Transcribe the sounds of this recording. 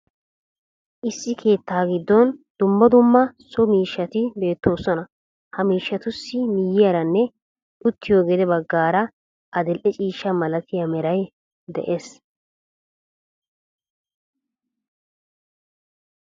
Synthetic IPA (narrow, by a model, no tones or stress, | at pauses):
ʔɪsːɪkʰe̞ːt̪ːaːɡɪd̪ːɔnd̪̥ʊmːɐd̪ʊmːɐsɔmiːʃːɐt̪ɪbe̞ːt̪ːo̞ːsɔnɐ | hɐmiːʃːɐt̪ʊsːɪmɪjːɪjɐɾɐnːɛ | ʔʊt̪ːɪjoːɡɛd̪ɛbɐɡːaːɾɐ | ʔɐd̪ɛlʔɛt͡ʃʼiːʃːɐmɐlɐt̪ɪjɐmɛɾɐj | d̪ɛ̰ʔeːs